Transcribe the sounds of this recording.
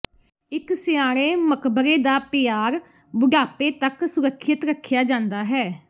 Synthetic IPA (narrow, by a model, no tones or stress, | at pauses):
ɪksɪjaːɾ̃eːməkbəɾeːd̪aːpɪjaːɾ | bʊɖaːpeːt̪əksʊɾəkʰːjət̪ɾəkʰjaːd͡ʒãːnd̪aːɦɛː